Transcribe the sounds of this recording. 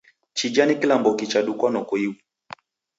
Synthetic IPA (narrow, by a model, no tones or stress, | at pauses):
t͡ʃid͡ʒanikilambɔkit͡ʃaɗukwanɔkuiwu